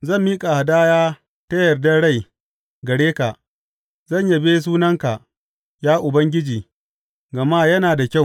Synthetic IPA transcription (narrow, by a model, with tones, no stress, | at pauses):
zɐ˦˨mːiː˦kʼa˨ha˨daː˦jaː˦ | tɐ˦jɐ˨rda˦ɽa˦˨j | ɡɐ˨ɽeː˦ka˨ʔ | zɐ˦˨ɲja˨be˦s̬uː˦nɐ˦ŋka˨ʔ | jaː˦ʔʊ˨bɐ˦ŋɡʲɪ˦d͡ʒiː˨ | ɡɐ˨maː˦jɐ˦naː˨da˨kʲa˦˨